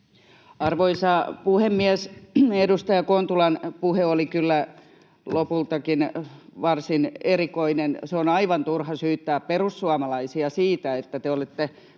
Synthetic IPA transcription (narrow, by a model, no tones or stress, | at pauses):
ɑrʋoisɑːpuhemːiæsedust̪ɑjɑkont̪ulɑnpuheolikylːæ | lopult̪ɑkinʋɑrsinerikoinenseonɑiʋɑnt̪urhɑsyːt̪ːæːpperusːuɑmɑlɑisiɑsiːt̪æet̪ːæt̪eolet̪ːe